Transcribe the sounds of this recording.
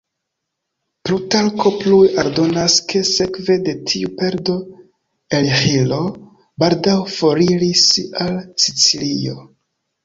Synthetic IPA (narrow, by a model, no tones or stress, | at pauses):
plutalko̞plujaɾdo̞naskʰe̞se̞kve̞de̞tʰiupe̞ɾdo̞ | elhilo̞ | baldawfo̞ɾiɾisalsit͡silio̞̰